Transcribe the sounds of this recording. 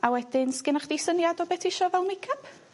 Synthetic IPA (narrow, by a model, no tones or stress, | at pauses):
awɛd̥ɪnskɪnaχd̥ejsənjadɔbɛtʰɪʃɔvɛlˠnmɪkʰapʰ